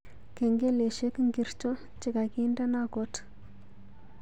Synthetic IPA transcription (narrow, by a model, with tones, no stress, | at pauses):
ke˨ŋɡe˦le˨ʃe˦kŋɡi˨ɾt͡ʃo˦ | t͡ʃi˨ka˨ki˦nda˦na˦ɡo˦t